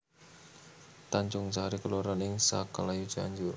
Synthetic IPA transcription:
t̪aɲd͡ʒʊŋsaaɾikəluɾanɪŋsa̰kalaju̥d͡ʒa̰ɲd͡ʒʊr

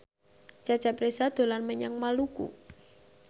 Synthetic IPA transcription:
d͡ʒ̥ad̥d͡ʒ̥a̤pɾesad̪̥o̤lanməɲaŋmalukṵ

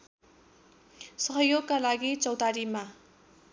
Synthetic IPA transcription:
sʌɦʌjoɡ̚kalaɡit͡sʌwt̪aɾima

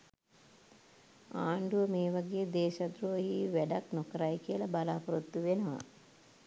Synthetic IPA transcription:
aːɳɖuʋəmeːʋaɡejd̪eːʃad̪ɾoʋɦiʋæɖaknokəɾajkijəlabalaːpuɾut̪ːuʋenəʋa̰

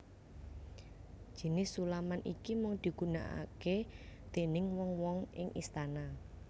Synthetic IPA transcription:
ʒ̥i̤nɪsːulamanḭkimʊŋd̪̥i̤ɡ̥ṳna̰ʔa̰ket̪enɪŋwɔŋwɔŋɪŋʔist̪ana

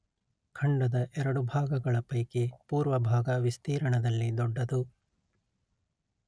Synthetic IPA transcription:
kʰɐɳɖɐd̪ɐʔɛɾɐɽubʱaːɡɐɡɐɭɐpɐjkepuːɾʋɐbʱaːɡɐʋist̪iːɾɐɳɐd̪ɐlːid̪ɔɖːɐd̪u

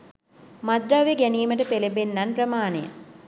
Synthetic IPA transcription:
mad̪ɾaʋeɡæniːməʈəpelebenːanpɾəmaːnejə̰

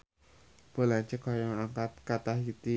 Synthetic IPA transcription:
b̥o̤laɲt͡ʃəkɔjaŋaŋkat̪̚kat̪ahjit̪i

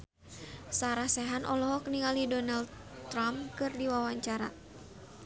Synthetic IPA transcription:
saɾahsɛɦanʔɔlɔɦɔkniŋalidɔnald | t̪ːɾamkɨrdiwawaɲt͡ʃaɾa̰

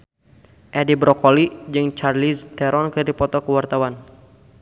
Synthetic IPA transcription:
ʔɛdibɾɔkɔlid͡ʒɨŋt͡ʃarlist̪ɛɾʔɔnkədipɔt̪ɔkəwart̪awan

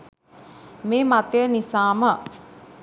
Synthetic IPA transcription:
meːmat̪əjənisaːmə

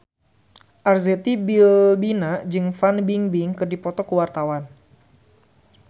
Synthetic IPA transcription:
ʔarzet̪ibilbinad͡ʒɨŋfanbiŋbiŋkɨrdipɔt̪ɔkəwart̪awan

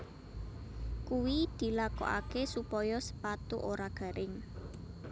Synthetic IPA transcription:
kuwid̪̥i̤lakɔ̰ʔa̰kesupɔjɔsə̥pat̪ṵʔoɾaɡ̥a̤ɾʔɪŋ

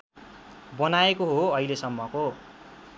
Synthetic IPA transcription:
bʌnaekoɦoʌilesʌmːʌko

